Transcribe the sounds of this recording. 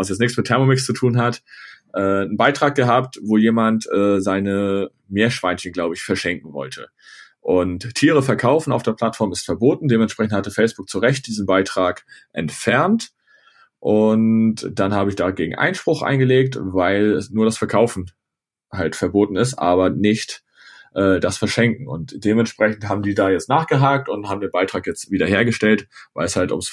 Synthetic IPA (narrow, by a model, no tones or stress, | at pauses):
vas̬jɛt͡snɪçkt͡smɪtʰɛɐmomɪkst͡sutʰuːnɦatʔɛːənbaɪtʁ̥aːk̚ɡ̥əɦaːp̚tvoːjeːmantʔɛːzaɪnə | meːɐʃv̥aɪnçənɡlaʊbəɪçfɛɐʃɛŋk̚ŋ̩vɔ̰ltʰə̰ | ʔʊntʰːiːʁ̞əfɛɐkʰaʊfn̩aʊfd̥eːɐplatfɔɐmɪstfɛɐboːtn̩deːmɛntʃpʁ̥ɛçn̩thatəfɛɪsb̥ʊk̚t͡suʁɛçt̚d̥iːzn̩baɪtʁ̥aːkʔɛ̰ntfɛɐnt | ʔʊntd̥anhaːbəɪçd̥aɡeːɡŋ̩ʔa̰ɪnʃpʁ̥ʊxʔa̰ɪnɡəleːk̚tvaɪlɛsnuːɐɾasfɛɐkʰaʊfn̩ | haltfɛɐboːtn̩ɪstʔaːβɐnɪçt | ʔɛːdasfɛɐʃɛŋkŋ̩ʊ̰ntd̥eːmɛntʃpʁ̥ɛçn̩thaːbm̩diːdaːjɛt͡stnaːχɡ̥əɦaːk̚tʊnthaːbmdiːɐnbaɪtʁ̥aːkjɛt͡stv̥iːdɐheːɐɡəʃtɛltvaɪlɛshaltʊ̰ms